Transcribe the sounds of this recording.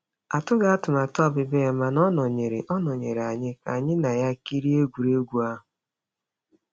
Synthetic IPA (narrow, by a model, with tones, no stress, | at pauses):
a˨tʊ˦ɡa˨˦a˦tʊ˨ma˨tɔ˦˨bɪ˨be˦˨ma˨nɔ˦nɔ˨ɲe˨ɾe˨ʔɔ˦nɔ˨ɲḛ˨ɾa˨ɲɪ˦ka˨ɲɪ˦na˨ja˦ki˦ɾi˦e˦ɡʷu˨ɾe˦ɡʷu˨a˦ɦʊ˨